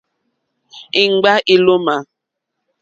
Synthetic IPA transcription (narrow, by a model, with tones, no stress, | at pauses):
i˨ŋ͡m̩˨ɡ͡ba˦ʔi˦lo˦ma˨